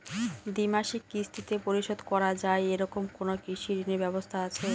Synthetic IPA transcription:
d̪imaʃikːist̪ʰit̪epoɾiʃod̪kɔɾad͡ʑaeeɾɔkomkonokiʃiɾinebɛbost̪ʰaat͡ɕʰe

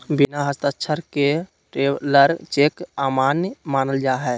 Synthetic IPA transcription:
binaɦəst̪atːt͡ʃʰəɾke | ʈeːləɾt͡ʃeːkaːmaːnjmaːnəld͡ʒaːɦɛː

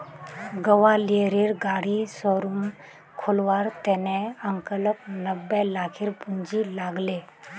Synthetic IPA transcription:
ɡəʋalieɾiːɾɡaɽisoɾum | kʰolʋaɾt̪eneəŋkələpnəbːelakʰiɾpuɲd͡ʑilaɡle

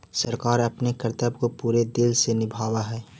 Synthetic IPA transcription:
səɾkaːɾɐpnekəɾt̪əbkopuːɾed̪ɪlsenɪbʱaːwaɦɛː

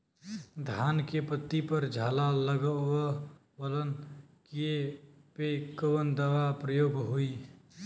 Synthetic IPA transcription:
d̪ʱankepət̪ːipəɾd͡ʒʱalaləɡə | bələn | kiepekəʋənd̪əʋapɾəjoɡɦoi

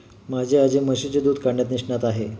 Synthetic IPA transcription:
mad͡ʑʱead͡ʑeməɕet͡ɕed̪uːd̪ʱkaɽɳjat̪niʂʈɳat̪aɦe

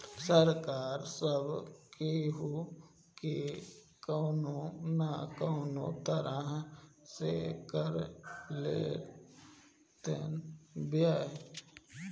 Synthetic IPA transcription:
səɾkaːɾsəbkeɦu | ke | kənonakoːno̰t̪əɾəɦsḛkəɾlḛ | t̪ḛnbjaː

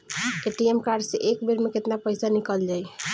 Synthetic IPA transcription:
eʈiemkaɾɖseʔekbeɾmeket̪napəjsanikəld͡ʒaj

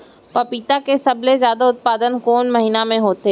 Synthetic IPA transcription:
pɐpiːt̪akesɐblezjaːd̪aʊt̪̚paːd̪ənkoːnmɐɦiːnamẽɦoːt̪eː

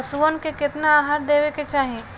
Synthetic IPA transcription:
suʋənkekɪt̪naaːɦaːɾ̚d̪eːʋeket͡ʃaːɦẽ

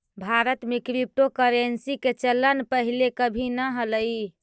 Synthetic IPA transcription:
bʱaɾət̪mekɾip̚ʈokəɾensiket͡ʃəlːənpəɦilekəbʱinəɦələi

